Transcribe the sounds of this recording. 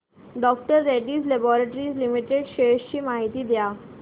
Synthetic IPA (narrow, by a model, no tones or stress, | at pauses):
ɖɔk̚ʈəɾːɛʈiːzlebɔɾeʈəɾiːzlimiʈeɖɕeɕt͡ɕiːmaɦit̪iːd̪ja